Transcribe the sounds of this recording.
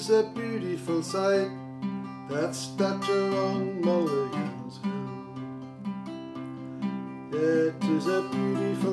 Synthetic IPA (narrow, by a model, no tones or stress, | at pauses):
zɨbjʉɾɨfəl̩ˠsaɪt̪̚ | ðætstʌt͡ʃəɹɔ̃ŋloʊɹãnz | ɪɾɪzɨbjʉɾɨf